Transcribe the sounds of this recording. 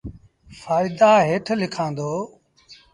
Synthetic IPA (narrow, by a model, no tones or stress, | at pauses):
faːɪd̪aːɦeːʈʰlɪkʰãːnd̪oː